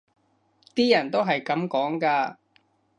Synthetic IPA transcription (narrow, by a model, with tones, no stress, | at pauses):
t̪iː˥jɐ˨˩nt̪o˥wɦɐ˨jkɐ˨˥mkɔː˨˥ŋkaː˧